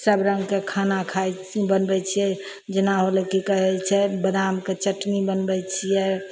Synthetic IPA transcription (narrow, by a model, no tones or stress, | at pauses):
səbɾəŋɡkekʰanakʰaj | bənbɛt͡ʃʰijɛ | d͡ʒenaɦolekikəɦɛt͡ʃʰɛbəd̪amket͡ʃəʈnibənbɛt͡ʃʰijɛ